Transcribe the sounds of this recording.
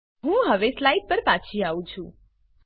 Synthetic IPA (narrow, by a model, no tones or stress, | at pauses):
ɦũɦəʋeslaiɖ̚pəɾpat͡ʃʰiaũt͡ʃʰũ